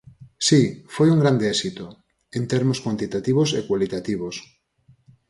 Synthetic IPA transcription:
sifojuŋɡɾand̪eesit̪o | ent̪eɾmoskwant̪it̪at̪iβ̞osekwalit̪at̪iβ̞os

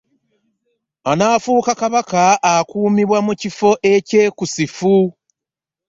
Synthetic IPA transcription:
anaːfuːkakaβakaʔːkuːmiβwamucifo̞ʔe̞ce̞ːkusifu

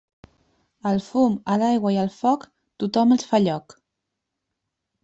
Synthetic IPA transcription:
əlˠfuməlajɣwəiəlˠfɔk | t̪ut̪ɔməlˠsfaʎɔk

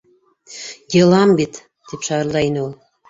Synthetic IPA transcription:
jelˠɑmbit̪ː | epʃɑrlˠɑjneolˠ

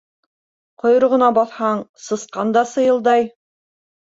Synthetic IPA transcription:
qŏjɤ̆ɾʁɤ̆nɑbɑθhɑɴsɤ̆sqɑnd̪ɑsɤ̆jɤ̆lˠd̪ɑj

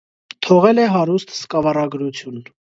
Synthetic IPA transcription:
t̪ʰɔʁɛlɛɦɑɾust̪ʰskɑvɑrɑɡɾut͡sʰjun

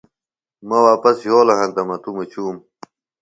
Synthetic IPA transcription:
mɐwaːpɐsjoːlɐɦɐ̃nt̪ɐmɐt̪umɐt͡ɕuːm

